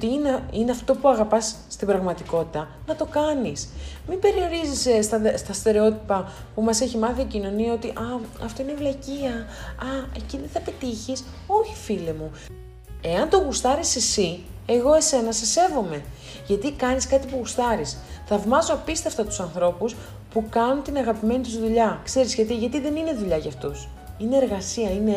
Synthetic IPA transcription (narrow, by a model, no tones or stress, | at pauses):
t̪iineine̞ɐft̪o̞puɐɣɐpɐsːt̪imbɾɐɣmɐt̪iko̞t̪i̥t̪ɐ | nɐt̪o̞kɐnismimbe̞ɾio̞ɾizisst̪ɐst̪ɐst̪e̞ɾeo̞t̪ipɐ | pumɐse̞çimɐθiːcino̞niɐo̞t̪iʔɐɐft̪o̞inevlɐciɐɐeciðeθɐpe̞t̪içis | o̞çi̥filemu | e̞ɐnt̪o̞ɣust̪ɐɾisisie̞ɣo̞e̞se̞nɐse̞se̞vo̞me̞ | ʝɐt̪ikɐniskɐt̪ipuɣust̪ɐɾisθɐvmɐzoɐpist̪eft̪ɐt̪u̥sɐnθɾo̞pus | pukɐnunt̪inɐɣɐpime̞nit̪uzðuʎɐkse̞ɾizʝɐt̪iʝɐt̪iðe̞nine̞ðuʎɐʝɐft̪us | ine̞ːɾɣɐsiɐine̞